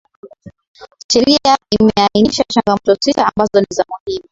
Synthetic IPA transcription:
ʃɛɾiaimɛainiʃat͡ʃaŋɡamɔtɔsitaːmbazɔnizamuhimu

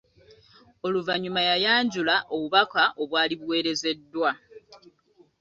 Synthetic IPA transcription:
o̞luvaɲumajajaːɲɟulaʔo̞βuβakaʔo̞βwaːliβuwe̞ːɾe̞ze̞dːwa

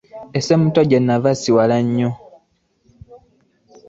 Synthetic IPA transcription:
esemutoɟenːavasiwalaɲːo

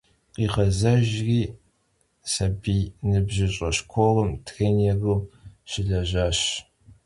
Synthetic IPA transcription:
qiːʁɐzɐʒriː | sɐbiːjnɨbʒɪɕʼɐɕkʷʰorəmtʰxɐnɛɣɨːɕɪɮɐʑaːɕ

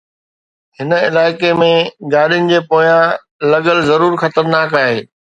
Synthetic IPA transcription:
hɪnə̆ɪlaːɪkemẽɡaːɗijʊnɪ̆d͡ʑeːpoːjã | lɐɡəlzɐɾuːɾxɐt̪əɾnaːkaːɦeː

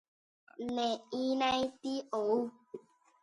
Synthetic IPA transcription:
nɛinaitiou

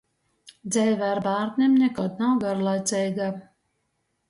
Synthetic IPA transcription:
d̪zɛjvʲæɾbaːɾk̪nʲɛmnʲɛkɔt̪nawɡaɾlˠajt̪sɛjɡa

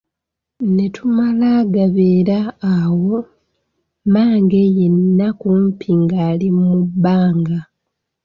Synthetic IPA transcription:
ne̞tumalaːɡaβeːɾaːwo̞ | maːŋɡe̞jenːakumpʰiŋɡaːlimubːaːŋɡa

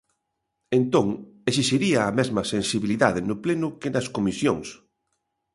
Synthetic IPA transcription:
ent̪oŋes̬iʃiɾiɐːmɛzmɐsensiβiliðaðɪnʊplenʊkɪnɐskomisjoŋs

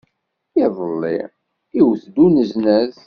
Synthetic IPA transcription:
ɪðˤəlːḭ | iwθd̪unəznəð

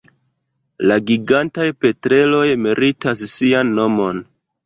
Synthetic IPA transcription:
laɡiɡantajpe̞tɾe̞lo̞jmiɾʔitassianːo̞mo̞n

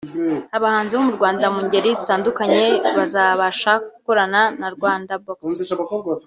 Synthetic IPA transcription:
aβahaːnziβomuɾɡwaːndamuɲɟe̞ɾizitaːndukaɲe̞βazaβaʃakuko̞ɾananaɾɡwaːndabok

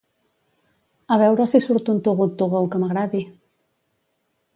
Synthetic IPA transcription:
aβɛwɾəsisuɾt̪unt̪uɣut̪uɣowkəmaɣɾaði

